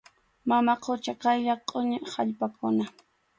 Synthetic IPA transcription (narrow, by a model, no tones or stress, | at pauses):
mamaqʰot͡ʃɑqɑjʎaqʼoɲɪha̰ʎpakʊna